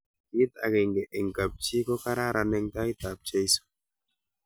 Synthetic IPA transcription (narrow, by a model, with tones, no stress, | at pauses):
i˦t̪a̰˨ɡɛ˨ŋɡɛ˨ʔɛ˨ŋka˨p̚t͡ʃi˦kɔ˦ka˦ɾa˦ɾa˨nɛ˦ŋta˦i˦t̪a˨p̚t͡ʃe˦i˦so̥˨